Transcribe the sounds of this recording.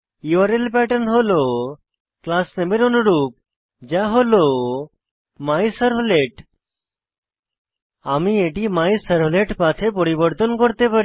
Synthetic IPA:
iaɾelpɛʈənɦolo | klasnebeɾonuɾup̚ | d͡ʒaɦolo | majsəɾɦoleʈ | amieʈimajsəɾɦoleʈpat̪ʰepɔɾibɔɾt̪ɔnkɔɾt̪epaɾi

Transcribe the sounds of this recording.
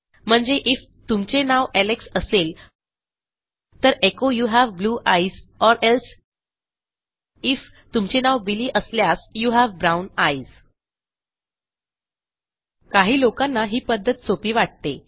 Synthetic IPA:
m̤əɳd͡zeʔif | t̪umt͡senaʋæleksəsel | t̪əɾekojuːɦæʋbluːʔaizɔɾʔels | if | t̪umt͡ɕenaʋbiliːʔəsljasjuːɦæʋbɾawnaiz | kaɦiːlokanːaɦiːpəd̪ʱːət̪̚t͡sopiːʋaʈ̚t̪e

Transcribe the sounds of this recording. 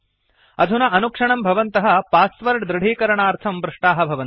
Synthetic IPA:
ɐd̪ʱunɐʔɐnukʂɐɳɐmbʱɐʋɐnt̪ɐɦɐ̆paːsʋɐɾɖd̪ɾɐɽ̤ʱiːkɐɾɐɳaːɾt̪ʰɐmbɾɪʂʈaːɦɐ̆bʱɐʋɐnt̪

